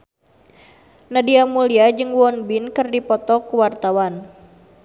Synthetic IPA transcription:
nadiamuliad͡ʒɨŋwɔnbinkɨrdipɔt̪ɔkuwart̪awan

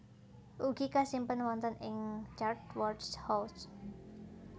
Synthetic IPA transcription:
ʔuɡ̥ikasimpənwɔnt̪ənɪŋt͡ʃardwɔrdshɔs

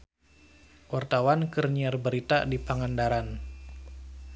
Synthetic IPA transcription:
wart̪awankərniarbəɾit̪adipaŋandaɾan

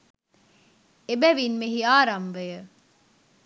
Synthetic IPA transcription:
ebæʋinmehiaːɾɐmʋejə

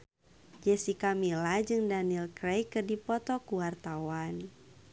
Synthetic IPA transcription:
d͡ʒɛsikamilad͡ʒɨŋdanilkɾejkərdipɔt̪ɔkuwart̪awan

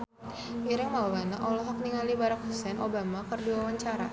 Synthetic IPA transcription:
iɾɪŋmaubanaʔɔlɔɦak̚niŋalibaɾak̚ɦusɛnʔobamakərdiwawaɲt͡ʃaɾa̰

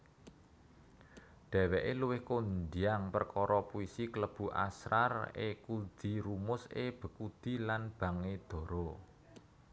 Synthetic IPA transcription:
ɖ̪̥ɛ̤wɛʔeluwɪhkond̪iaŋpərkɔɾɔpuisikləb̥ṳʔa̰sɾarḛkud̪̥i̤ɾumʊseb̥ə̤kud̪̥i̤lanb̥ä̤ŋed̪̥ɔ̤ɾɔ

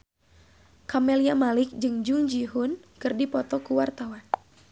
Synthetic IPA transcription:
kamɛliamalɪk̚d͡ʒɨŋd͡ʒuŋd͡ʒiɦunkɨrdipɔt̪ɔkuwart̪awan

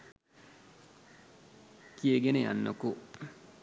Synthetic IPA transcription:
kieɡeneja̰nːɐku

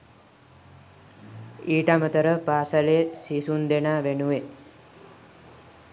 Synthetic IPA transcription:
iːʈamət̪əɾəpaːsaleːsisund̪enaːʋenuʋe

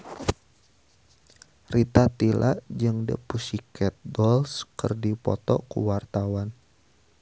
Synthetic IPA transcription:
rit̪at̪ilʔa̰ʔd͡ʒɨŋdə̰pusikʰɛt̪̚dɔlskɨrdipɔ̰t̪ɔ̰kṵwart̪awan

